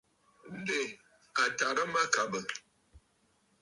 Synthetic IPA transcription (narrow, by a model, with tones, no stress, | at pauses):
n̩˦de˨ | a˨ta˨ɾə˦ma˦ka˨bə˨